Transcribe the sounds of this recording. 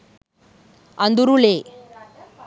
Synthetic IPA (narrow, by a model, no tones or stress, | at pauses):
ɐnd̪uɾule